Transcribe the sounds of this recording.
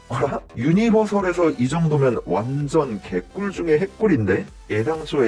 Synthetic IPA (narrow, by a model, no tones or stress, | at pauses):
aɾajuɲibʌsʰʌɾe̞s̬ʰʌʔid͡ʑʌŋdomjʌnwand͡ʑʌnke̞k͈uɭd͡ʑuŋe̞ɦe̞k̚k͈uɾinde̞ | edaŋsʰoe